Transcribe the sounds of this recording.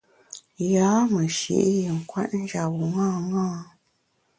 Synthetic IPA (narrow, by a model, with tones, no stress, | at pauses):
jaː˨˦mə˨ʃḭ˨ʔji˨ŋ̩˨kwa̰˦t̚n̩˦ʒa˨wu˨ŋãː˦˨ŋãː˦˨